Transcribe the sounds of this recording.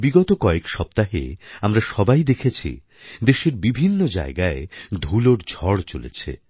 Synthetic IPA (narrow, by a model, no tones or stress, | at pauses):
biɡɔt̪okɔekʃɔp̚t̪aɦḛamɾaʃɔbajd̪ekʰet͡ɕʰḭ | d̪eʃeɾbibʱinːod͡ʑa̰eɡaed̪ʱuloɾd͡ʑʱɔɽt͡ɕolḛt͡ɕʰḛ